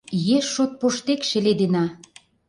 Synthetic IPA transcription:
jeʃːot̪̚poʃt̪ekʃĕled̪enɑ

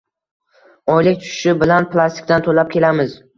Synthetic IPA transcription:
ɒjlɪk̚ʲt̪ʰʊ̥ʃɪ̥ʃɪbɪlanpʰlˠast̪ɪ̥k̚ʲd̪ant̪ʰolap̚kʲʰe̞lamɪz

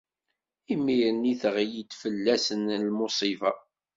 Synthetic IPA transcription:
imːiɾəniθʁjid̪fəlːæsənlmosˤivɑ

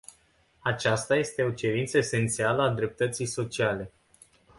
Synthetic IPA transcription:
at͡ʃast̪aje̞st̪e̞o̞t͡ʃe̞ɾint̪səese̞nt̪sialəad̪ɾe̞p̚t̪ət̪sijso̞t͡ʃiale̞

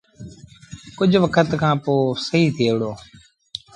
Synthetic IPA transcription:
kʊd͡ʒʱʋəkʰət̪kʰãːpoːsəɦiːt̪ʰiːʋɪɽoː

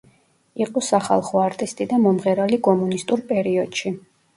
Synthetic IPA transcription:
iqʼɔsaχa̰lˠχɔaɾt̪ʼist̪ʼid̪amɔmʁɛɾalikʼɔmunist̪ʼuɾpʼɛɾiɔd̪̥ʃi

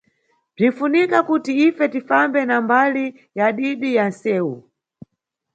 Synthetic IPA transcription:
b͡ʐinfunikakutiifɛtifambɛnambali | jaɗiɗijan̩sɛːu

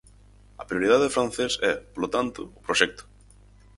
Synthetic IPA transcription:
ɐpɾijoɾið̞aðefɾan̟θesɛpolot̪ant̪ʊʊpɾoʃɛk̚t̪ʊ̥

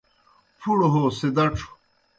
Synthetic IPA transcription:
pʰuɽoɦosed̪ɐʈ͡ʂʰu̥

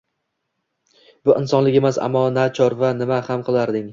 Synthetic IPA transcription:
b̥ʊʔɪnsɒnlɪkʲe̞masa̰mːɒnat͡ʃʰɒɾvanɪmahamqʰɨlˠaɾd̪ɪŋ

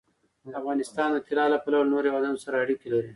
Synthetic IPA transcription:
d̪afɣɑnɪst̪ɑnd̪ət̪ɪlɑlapalawnoɾjewad̪anosaɾaːɽikelaɾi

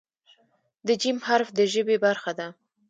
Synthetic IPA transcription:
d̪əd͡ʒimhaɾfd̪əʒəbebaɾxad̪a

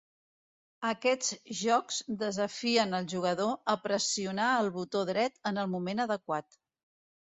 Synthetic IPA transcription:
əkɛd͡zʒɔkzd̪əzəfiənəlˠʒuɣ̞əðoəpɾəsiunaəlˠβut̪oðɾɛt̪ənəlˠmumenəðəkwat̪

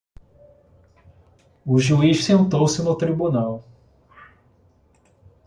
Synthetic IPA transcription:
ʊʒuiʃsẽnt̪owsɪnʊt̪ɾibunaw

